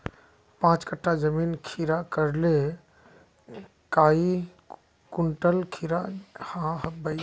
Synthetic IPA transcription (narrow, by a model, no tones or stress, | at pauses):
pãːt͡ʃkəʈʰːazəmiːnkʰiːɾakəɾle | kaːi | kʊɳʈəlkʰiːɾahãɦəbəi